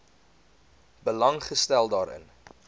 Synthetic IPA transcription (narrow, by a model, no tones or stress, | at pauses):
bəlɐŋχəstælˠdɑːɾʔə̰n